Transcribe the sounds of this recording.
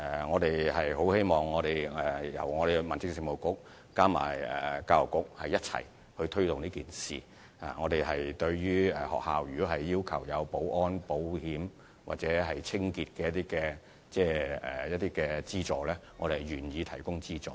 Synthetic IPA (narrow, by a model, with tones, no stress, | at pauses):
ɛ˨˩ŋɔː˨˧t̪e˨jhɐ˨jɦo˨˥whe˥jmɔː˨ŋːɔː˨˧ɾe˨jɛ˨jɐ̰˨˩wŋɔː˨˧ɾe˨˩mɐ˨nt͡sɪ˥k̚si˨˧ŋmo˨˩wkʊ˨˥k̚ | kaː˥ma̰ː˨˩jɛ̰ː˨kaː˧lʊ˨˩kːʊ˨˥k̚hɐ˨jːɐ˥t̚t͡sʰɐ̰˨˩j | hɵ˧ɥt̪ʰɵ˥t̪ʊ˨ŋniː˥kiː˨nsḭː˨˩ | a̰˨ŋɔː˨˧t̪e˨jhɐ˨jt̪ɵ˧ɥjyː˥ɛ˨˩hɔ̰˨k̚haː˨wjyː˨˩kɔ˨˥ɦɐ˨jːiː˥wkʰɐ˨˩wjɐ˨˧wpo˨˥wʔɔː˥npo˨˥whiː˨˥m | wa̰˨t̚t͡sɛː˨˥ɦɐ˨jt͡sʰɪ˥ŋkiː˧t̚kɛː˧jɐ˥t̪i˥kɛː˧ | t͡sɛː˥ɛː˨˩jɐ˥t̚t̪iː˥kɛː˧t͡siː˥t͡sɔː˨˩lɛː˥ŋɔː˨˧ɾe˨˩hjɥyː˨˩njiː˨˧t̪ʰɐ˨˩jkʊ˥ŋt͡siː˥t͡sɔ̰ː˨˧